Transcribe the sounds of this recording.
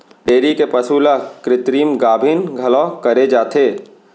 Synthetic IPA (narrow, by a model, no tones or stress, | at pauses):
ɖeːɾikepɐsuːlakɾɪt̪ɾiːmɡaːbʱinɡʱɐlɔkɐɾed͡ʒaːt̪ʰeː